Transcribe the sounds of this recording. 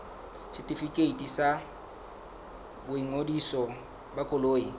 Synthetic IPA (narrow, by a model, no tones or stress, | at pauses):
sɪtʼifikʼeitʼisa | bʊiŋodisɔ | bakʼʊloːji